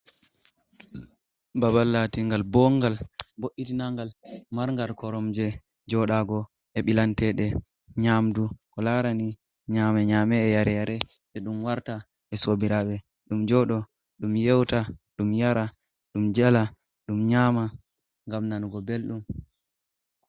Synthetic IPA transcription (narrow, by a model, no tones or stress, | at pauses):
babalːatiŋɡalbɔŋɡalboʔitinaŋɡalmaɾŋɡalkɔɾɔmd͡ʒɛ | d͡ʒɔɗaɡɔ | ɛɓilantɛɗɛ | ɲamdukɔlaɾani | ɲamɛɲamɛːjaɾɛjaɾɛ | sɛɗumwaɾta | ɛsobiɾaɓɛ | ɗumd͡ʒɔɗɔ | ɗumjɛwtaɗumjaɾa | ɗumd͡ʒɛla | ɗumɲaːma | ŋɡamnanuɡɔbelɗum